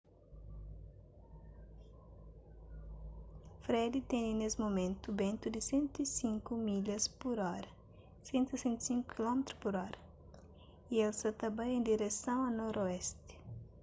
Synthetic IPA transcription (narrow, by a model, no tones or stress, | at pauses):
fɾɛd̪it̪ɛ̃ninesɪmomẽnt̪ubẽnt̪ud̪ɪsẽnt̪uisĩŋkumiʎɐspuɾɔɾɐ | sẽnt̪isẽnt̪u̥sĩŋku̥kilɔmet̪ɾuspuɾɔɾɐ | ielsɐt̪ɐ̃bɐ̃j̃ẽd̪iɾesɐ̃w̃ɐnɔɾoɛst̪ɪ̥